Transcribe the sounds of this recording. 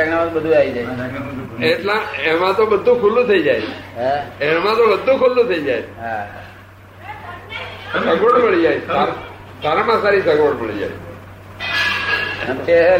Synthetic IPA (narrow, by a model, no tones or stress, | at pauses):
aɡnamãt̪bəd̪ʱuaʋid͡ʒajʰeeʈlãemãt̪obəd̪ʱːũkʰulːũt̪ʰəid͡ʒajt͡ʃʰeemãt̪obəd̪ʱːũkʰulːũt̪ʰəid͡ʒajt͡ʃʰeɦa | səɡoɽməɭid͡ʒajsaɾ | saɾamãsaɾisəɡoɽməɭid͡ʒa̰jt͡ʃʰe | əa